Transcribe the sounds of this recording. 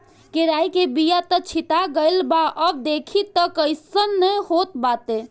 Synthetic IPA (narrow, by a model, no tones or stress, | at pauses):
keɾaikebijat̪ət͡ʃʰit̪aɡəjlbaʔəb̚d̪ekʰit̪əkəɪsənːəjhot̪bat̪e